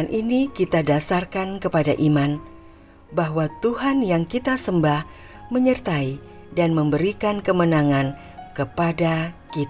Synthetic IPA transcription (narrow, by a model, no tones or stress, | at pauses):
anʔinikit̪adasarkankəpadaʔiman | baɦwat̪uɦanjaŋkit̪asəmbah | məɲərt̪ai | danməmbəɾikankəmənaŋan | kəpadakit̪